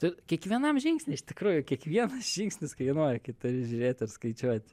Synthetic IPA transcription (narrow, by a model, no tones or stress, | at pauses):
t̪ɪkʲiɛkʋʲiɛnɐmʒʲɪŋksʲnʲɪɪʃʲt̪ʲɪkɾuːjʊkʲiɛkʋʲiɛnɐsʒ̥ʲiŋksʲnʲɪskɐɪnoːɾʲɪkɐɪt̪ʊɾʲɪʒʲʊɾʲeːt̪ʲɪrskɐɪt͡ʃʲuɔt̪ʲ